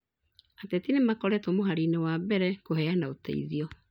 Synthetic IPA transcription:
atetinemakɔɾɛtomoɦaɾinewabɛɾɛkoɦɛanaotḛḭðiɔ

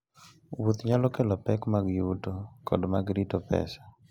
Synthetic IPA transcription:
wut̪ɲalɔkɛlɔpɛkmaɡjutokʰɔ̰dmaɡɾitɔpɛ̰sḁ

